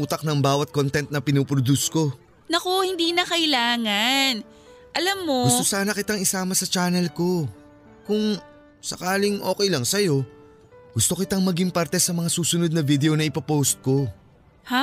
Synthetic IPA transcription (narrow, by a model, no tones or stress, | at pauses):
uːt̪ɐk̚nɐŋbaːwɐt̪̚kont̪ɛnt̪̚nɐpɪnopɾod̪usko̞ | nɐko̞hɪnd̪iːnɐkɐʔɪlaːŋɐn | ʔɐlɐmːo̞ɡʊsosaːnɐkɪt̪aŋɪsaːmɐsɐt͡ʃaːnɛlko̞ | kʊŋ | sɐkaːlɪŋʔo̞ːkɛjlɐŋsɐjo̞ | ɡ̥ʊst̪o̞kɪt̪aŋmɐɡiŋpɐɾt̪ɛsɐmɐŋasuːsʊno̞d̪̚nɐvid̪ɛʔonɐʔɪpɐpowst̪̚ko̞ | ha